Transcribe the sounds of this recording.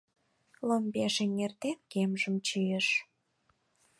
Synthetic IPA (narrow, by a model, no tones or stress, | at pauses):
lombeʃeŋert̪enkemʒəmt͡ɕijəʃ